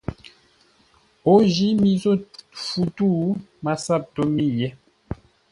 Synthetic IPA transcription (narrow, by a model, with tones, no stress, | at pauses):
o˦ʒi˨˦mi˨zo˦˨fu˨tu˦˨ma˨sa˦˨p̚to˦mi˦jɛ˦